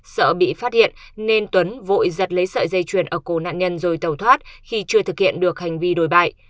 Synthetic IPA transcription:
sə̰ː˧˨ɓḭ˧˨faː˦˥t̚hḭ˧˨ən | ne˧nt̪wə˨˦nvo̰˧˨jzə˨˩t̚lə˨˦jsə̰ː˧˨zə˧jt͡ɕwi˧˩ənʔəː˧˩ko˧˩na̰ː˧˨nɲə˧nzo˨˩jt̪ə˨˩wt̪ʰwaː˦˥t̚xi˧t͡ɕɨ˧ət̪ʰɨ˨˩k̚hḭ˧˨ənɗɨ˨˩ək̚ha˨˩jŋ̟vi˧ɗo˨˩jɓa̰ː˧˨j

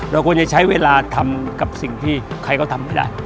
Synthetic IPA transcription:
ɾa˧˩kʰu˧ənt͡ɕa˨˩t͡ɕʰa˦˥jweː˧laː˧t̪ʰa˧mka˨˩p̚si˨˩ŋt̪ʰiː˥˩ | kʰa˧jkɔ˥˩t̪ʰa˧mːa˧jda̰ː˥˩j

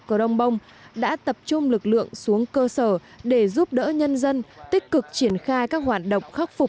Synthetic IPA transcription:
ku˧˩əɗə˧wŋ͡mɓə˧wŋ͡m | ɗa̰ː˧˥t̪ə˨˩p̚t͡ɕʊ˧ŋ͡mlɨ˨˩k̚lɨ̰˧˨əŋsu˨˦əŋkəː˧səː˧˩ɗe˧˩zu˦˥p̚ɗə̰ː˧˥ɲə˧nzə˧nt̪ï˦˥k̟̚kɨ˨˩k̚t͡ɕi˧˩ənxaː˧jkaː˦˥k̚ɦwaː˨˩t̚ɗə̰˧˨wŋ͡mxa˦˥k̚fʊ˨˩k͡p̚

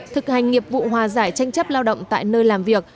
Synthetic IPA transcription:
t̪ʰɨ˨˩k̚ha˨˩jŋ̟ŋi˨˩əp̚vṵ˧˨ɦwaː˨˩zaː˧˩jt͡ɕa˧jŋ̟t͡ɕə˦˥p̚laː˧wɗə̰˧˨wŋ͡mt̪a̰ː˧˨jnəː˧jlaː˨˩mvi˨˩ək̚

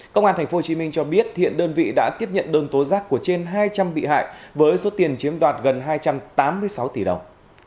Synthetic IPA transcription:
kə˧wŋ͡mʔaː˧nt̪ʰŋ̟fo˦ho˧˩t͡ɕi˨˦mï˧ŋ̟t͡ɕɔ˧ɓi˦˥ət̚hḭ˧˨ənɗəː˧nvḭ˧˨ɗa̰ː˧˥t̪i˦˥əp̚ɲə̰˧˨nɗəː˧ŋt̪o˨˦zaː˦˥kːu˧˩ət͡ɕe˧nɦaː˧jt͡ɕa˧mɓḭ˧˨ɦa̰ː˧˨jvəː˨˦jso˨˦t̪i˨˩ənt͡ɕi˨˦əmɗwaː˨˩t̚ɣə˨˩nɦaː˧jt͡ɕa˧mt̪aː˨˦mːɨ˧əjsa˨˦wt̪i˧˩ɗə˨˩wŋ͡m

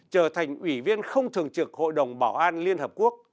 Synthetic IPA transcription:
t͡ɕəː˧˩t̪ʰa˨˩jŋ̟ʔwi˧˩vi˧ənxə˧wŋ͡mt̪ʰɨ˨˩əŋt͡ɕɨ˨˩k̚ho̰˧˨jɗə˨˩wŋ͡mɓaː˧˩wʔaː˧nli˧ənhəː˨˩p̚ku˦˥ək̚

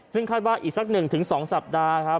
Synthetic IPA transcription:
sɯ˥˩ŋkʰaː˥˩t̪waː˥˩ʔiː˨˩k̚sa˦˥k̚nɯ˨˩ŋt̪ʰɯ˩˦ŋsɔː˩˦ŋsa˨˩p̚daː˧kʰɾa˦˥p̚

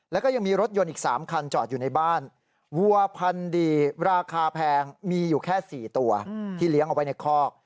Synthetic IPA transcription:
lɛ˦˥wkɔ˥˩ja˧ŋmiː˧ɾo˦˥t̪̚jo˧nʔiː˨˩k̚saː˩˦mkʰa˧nt͡ɕɔː˨˩t̪̚juː˨˩na˧jbaː˥˩n | wu˧ɐpʰa˧ndiː˧ɾaː˧kʰaː˧pʰɛː˧ŋmiː˧juː˨˩kʰɛː˥˩siː˨˩t̪u˧ɐt̪ʰiː˥˩li˨˦ʔa˨˩wa˦jna˧jkʰɔː˥˩k̚

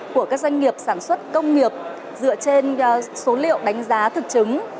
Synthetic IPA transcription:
ku˧˩əkaː˦˥k̚za˧jŋ̟ŋi˨˩əp̚saː˧˩nswə˦˥t̚kə˧wŋ͡mŋi˨˩əp̚ | zɨ̰˧˨ət͡ɕe˧nso˨˦lḭ˧˨əwɗa˨˦jŋ̟zaː˨˦t̪ʰɨ˨˩k̚t͡ɕɨ˨˦ŋ

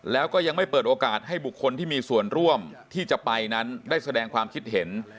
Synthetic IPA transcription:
lɛː˦˥wkɔː˥˩ja˧ŋma˥˩jpɤː˨˩t̪̚ʔoː˧kaː˨˩t̪̚ha˥˩jbu˨˩kʰːo˧nt̪ʰiː˥˩miː˧su˨˩ənɾu˥˩əmt̪ʰiː˥˩t͡ɕa˨˩pa˧jna˦˥ndaː˥˩jsa˧dɛː˧ŋkʰwaː˧mkʰi˦˥t̪̚ɦe˩˦n

